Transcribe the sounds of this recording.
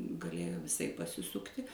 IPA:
ɡɐˈlʲeːjoː ʋʲɪˈsɐɪp pɐsʲɪˈsʊktʲɪ

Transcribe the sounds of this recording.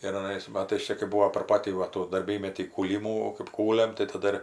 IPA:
ɪr ɐˈnɐɪs ˈmɑːtɐɪs ˈt͡ʃʲɛ kɐɪ ˈbuːoː pʲɛr ˈpɑːtʲiː ʋɐ ˈtuː dɐrʲˈbʲiːmʲɛtʲiː kuːˈlʲiːmuː kɜp ˈkuːlʲɛm tɐɪ tɐˈdɐ ɪr

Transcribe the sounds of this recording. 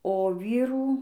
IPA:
oː ˈʋʲiːruː

